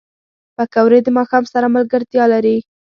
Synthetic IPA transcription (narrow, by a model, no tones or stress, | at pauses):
pakawɾed̪əmɑxɑmsaɾamalɡəɾt̪jɑlaɾi